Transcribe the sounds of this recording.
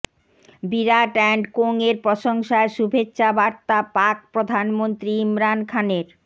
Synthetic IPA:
biɾaʈɛɳɖkoŋeɾpɾɔʃoŋʃaeʃubʱetːɕabaɾt̪apak̚pɾod̪ʱanmont̪ɾiimɾankʰaneɾ

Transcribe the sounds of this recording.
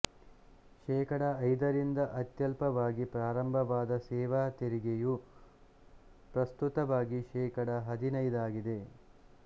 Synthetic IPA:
ʃɛːkɐɽɐːjd̪ɐɾind̪ɐʔɐt̪jɐlpɐʋaːɡipɾaːɾɐmbʱɐʋaːd̪ɐsɛːʋaːt̪eɾiɡeju | pɾɐst̪ut̪ɐʋaːɡiʃɛːkɐɽɐɦɐd̪inɐjd̪aːɡid̪e̞

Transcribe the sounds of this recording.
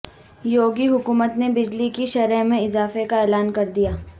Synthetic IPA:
joːɡiɦʊkuːmət̪nebɪd͡ʒlikiʃɐɾəmẽɪzaːfekaɛːlaːnkɐɾd̪ijaː

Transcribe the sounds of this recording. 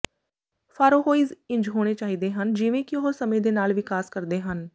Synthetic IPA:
fʰaːɾoːɦoːiːzɪ̃ɲd͡ʒɦoːɽ̃eːt͡ʃaːɦiːd̪eːɦənd͡ʒɪʋẽːkɪɦoːɾsəmẽːd̪eːnaːlʋɪkaːskəɾd̪eːɦən

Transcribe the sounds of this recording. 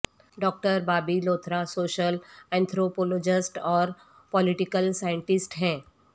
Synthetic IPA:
ɖɔːk̚ʈəɾbaːbiloːt̪ʰɾasoːʃəlɛ̃ːnt̪ʰɾoːpoloːd͡ʒɪsʈɔːɾ | pɔlɪʈɪkəlsaːɪ̃ɳʈɪsʈɦɛ̃ː

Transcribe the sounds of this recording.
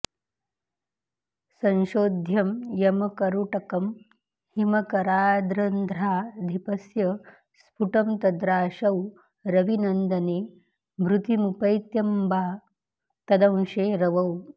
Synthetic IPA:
sɐ̃nʃoːd̪ʱjɐmjɐmɐkɐɾuʈɐkɐm | himɐkɐɾaːd̪ɾɐnd̪ʱɾaːd̪ʱipɐsjɐ | spuʈɐmt̪ɐd̪ɾaːʃɐw | ɾɐʋinɐnd̪ɐneː | mɾut̪imupɐjt̪jɐmbʱaː | t̪ɐd̪ɐ̃w̃ʃeːɾɐʋɐw

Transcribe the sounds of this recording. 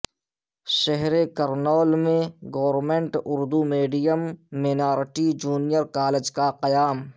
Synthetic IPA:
ʃɛɦɾekɐɾnɔːlmẽɡoːʋɾmẽɳʈʊɾd̪umeːɖijəmːenaːɾʈid͡ʒuːnijəɾkaːled͡ʒkaqɐjaːm

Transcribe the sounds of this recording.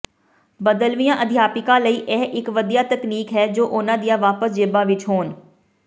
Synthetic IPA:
bəd̪əlʋijãːʔəd̪ʱɪjaːpɪkãːləiːʔɛːʔɪkʋəd̪ijaːt̪əkniːkɦɛːd͡ʒoːʔʊnãːd̪ijãːʋaːpəsd͡ʒɪbãːʋɪt͡ʃɦoːn

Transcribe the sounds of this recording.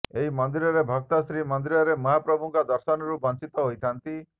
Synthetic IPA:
eɦimɔnd̪iɾɔɾebʱɔk̚t̪ɔsɾimɔnd̪iɾɔɾemɔɦapɾɔbʱuŋkɔd̪ɔɾsɔnɔɾubʱɔnsit̪ɔɦojt̪ʰant̪i

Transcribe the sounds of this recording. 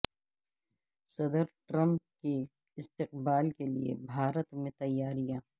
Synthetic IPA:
sɐd̪əɾʈɾə̃mp̚ke | ɪst̪ɪqbaːlkelḭḛbʱaːɾət̪mẽt̪ɐjːaːɾijãː

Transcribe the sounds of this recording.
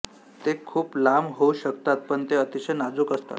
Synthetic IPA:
t̪ekʰuːplamɦouɕək̚t̪at̪̚pəɳt̪eət̪iɕenad͡zukəst̪a̰t̪

